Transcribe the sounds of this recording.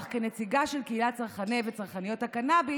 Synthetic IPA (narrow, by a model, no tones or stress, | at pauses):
χkenet͡siɡaʃelkeilatt͡saʁχanevet͡saʁχanijo̞thakanabi